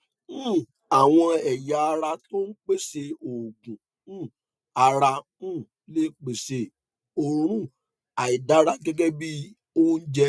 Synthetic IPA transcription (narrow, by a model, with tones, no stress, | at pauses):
a˨w̃ɔ̃˧ɛ˨ja˨a˧ɾa˧to˦n̩˦k͡pe˦se˧o˨ɡũ˨˦˨ | a˧ɾã˧˦˨ | le˦k͡pe˨se˧ | o˧ɾũ˧ɾ̃ũ˦˨ | a˨i˨da˨˦ɾa˦ɡɛ˦ɡɛ˦bi˦ | o˦n̩˦d͡ʒɛ˧